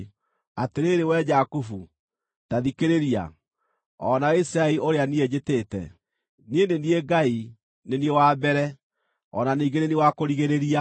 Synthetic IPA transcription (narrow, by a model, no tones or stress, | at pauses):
ateɾeːɾewɛd͡ʒakufu | taðikeɾeɾia̰ | ɔnaisɾaeoɾeanied͡ʒetetɛ̰ | niendenieɡai | neniewaːbɛɾɛ | ɔ̰naniːɡenenewakoɾiɣeɾeɾia